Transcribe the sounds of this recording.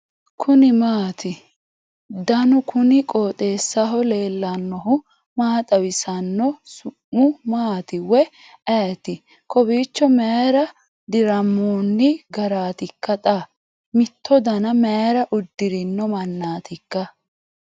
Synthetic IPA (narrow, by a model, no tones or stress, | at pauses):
kʰʊnɪmaːt̪ɪ | d̪ɐnʊkʰʊnɪkʼoːt̪ʼeːsːɐɦɔleːlːɐnːɔɦʊ | maːt̪ʼɐwɪsɐnːɔsʊmːʊmaːt̪ɪwɛ | ɛjt̪ɪ | kʰɔbiːt͡ʃːɔmɛɾɐ | d̪ɪɾɐmːoːnːɪɡɐɾaːt̪ɪkːɐt̪ʼɐ | mɪt̪ʰːɔd̪ɐnɐmɛɾɐʔʊd̪ːɪɾɪnːɔmɐnːaːt̪ɪkːɐ